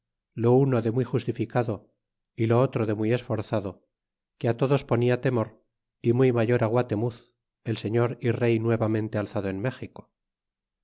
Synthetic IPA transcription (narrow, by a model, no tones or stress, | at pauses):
lo̞uno̞ðe̞mwixust̪ifikaðo | ilo̞ot̪ɾoðemuje̞sfo̞ɾθaðo̞ | keat̪o̞ðo̞spo̞niat̪e̞mo̞ɾ | imujmaʝo̞ɾaɣwat̪e̞muθ | e̞lse̞ɲo̞ɾire̞jnwe̞βamẽ̞nt̪e̞alθaðoenme̞xiko̥